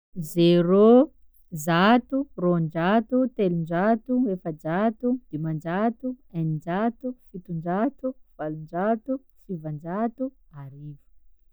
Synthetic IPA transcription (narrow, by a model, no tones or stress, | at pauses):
zero | zat̪uroɳd͡ʒat̪ut̪elund͡ʒat̪uefəd͡ʒat̪ud̪̥emand͡ʒat̪uanid͡ʒat̪ufit̪uɳd͡ʒat̪uv̥alund͡ʒat̪u | sivand͡ʒat̪uaɾivu̥